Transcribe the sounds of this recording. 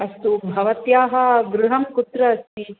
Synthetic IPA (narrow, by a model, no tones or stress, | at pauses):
ɐst̪ubʱɐʋɐt̪jaːɦɐ̆ɡɾuɦɐmkut̪ɾɐɐst̪i